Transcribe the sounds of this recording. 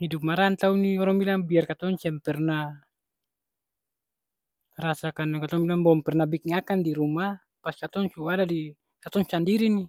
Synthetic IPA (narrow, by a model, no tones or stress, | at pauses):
hidup̚maɾant̪auniɔɾaŋbilaŋbiarkat̪ɔnsɛmpɛrna | rasakankat̪ɔŋbilaŋbɔmpɛrnabikiŋakandiɾuma | paskat̪ɔŋsuadadi | kat̪ɔŋsandiɾini